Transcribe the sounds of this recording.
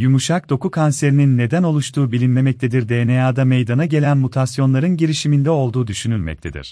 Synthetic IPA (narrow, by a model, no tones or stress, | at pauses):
jumuʃak̚d̪̥o̞kukʰanse̞ɾininːe̞d̪æno̞lˠuʃt̪ʰuːbilʲinlʲe̞mɛc̚t̪ʰed̪iɾd̪ejnejaːd̪ame̞jd̪anaɟe̞lʲænmut̪ʰasjo̞nlˠaɾɯnɟiɾiʃimind̪ɛo̞lˠd̪uːd̪yʃynylʲmɛ̰c̚t̪ʰe̞d̪ḭɾ̥